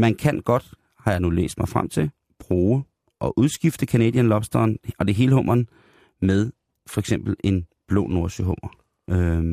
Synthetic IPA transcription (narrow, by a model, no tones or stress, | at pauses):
mænkʰænɡ̥ɒ̽d̥ | hɑ̈jɑ̈ɪnulḛːsd̥mɑ̈ɪfʁam̰t͡sʰe̝ | b̥ʁuːə | ʔɒ̽ʔuð̞ˠsɡ̥ifd̥əkʰænḛd̥ˠjænlɒ̽b̥sd̥ɐnɒ̽d̥e̝ɦe̝ːləɦɔ̽m̰ɐn | meðˠ | fɒ̽eɡsem̰b̥l̩e̝nb̥lo̰ːno̝ɐɕəɦɔ̽m̰ɐ | ʔø